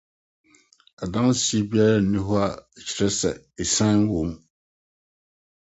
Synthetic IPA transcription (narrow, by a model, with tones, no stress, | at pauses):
a˨da˦ŋ˦sbi˦a˦la˦˨ni˦hʊ˦a˦˨t͡ʃi̥˨ɾɛ˦sɛ̰˨ | ɪ˨sã˦n˦wu˨m